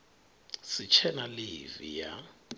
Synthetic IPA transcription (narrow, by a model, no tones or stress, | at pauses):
sit͡ʃʰɛnalivḭja̰